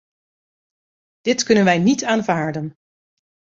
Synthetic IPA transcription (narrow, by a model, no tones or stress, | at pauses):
d̥ɪtkɵnənʋɛjnitaːnvaːɹdən